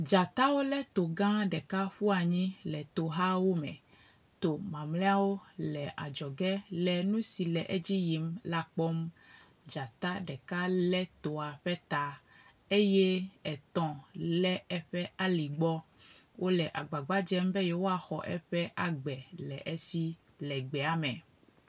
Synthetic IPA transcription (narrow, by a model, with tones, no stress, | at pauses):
d͡ʒa˨t̪a˦wo˦lɛ˦t̪o˨ɡã˦ɖɛ˨ka˦ɸu˦a˨ɲĩ˦lɛ˨t̪o˨ɦa˦wo˦mɛ̰̃˨ | t̪o˨mã˨mlɛ˦a˦wo˦lɛ˨ʔa̰˨d͡ʒɔ˨ɡɛ˦lɛ˨nũ˦si˨lɛ˨ʔɛ˦d͡ʑi˦ji˨mla˦k͡pɔ˦m | d͡ʒa˨t̪a˦ɖɛ˨ka˦lɛ˦t̪o˨a˨ɸɛ˦t̪a˦ | e˦je˦ɛ˨t̪ɔ̃˨lɛ˦ɛ˦ɸɛ˦a˦li˨ɡ͡bɔ˦wo˦lɛ˨ʔa˨ɡ͡ba˨ɡ͡ba˦d͡ʒɛ˦mbɛ˦je˦wo˦a˨xɔ̰˨ʔɛ̰˦ɸɛ˦ʔa˨ɡ͡bɛ˨lɛ̰˨ʔe˦si˦ | lɛ˨ɡ͡bɛ˨a˨mɛ̃˨